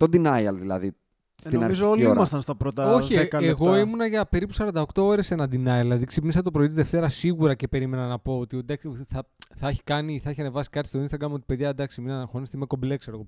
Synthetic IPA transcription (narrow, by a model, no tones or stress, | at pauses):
t̪od̪inɐjɐlðilɐ̰ði | seninɐɾizoolioimɐst̪ɐnst̪ɐpɾot̪ɐoçikɐeɣo̞imunɐʝɐpe̞ɾipusɐɾɐnd̪ɐokt̪o̞oɾe̞se̞nɐd̪inɐjɐlɐðiksipnis̬ɐt̪o̞pɾoit̪izðe̞ft̪e̞ɾɐsːiɣuɾɐce̞pe̞ɾime̞nɐnɐpo̞ot̪iod̪ɐksθɐθɐɐçi̥kɐniθɐeçiɐne̞vɐsi̥kɐt̪ist̪o̞inst̪ɐɡɾɐmo̞t̪i̥pe̞ðʝɐd̪ɐksiminɐnɐxo̞nist̪imekomblekseɾoɣo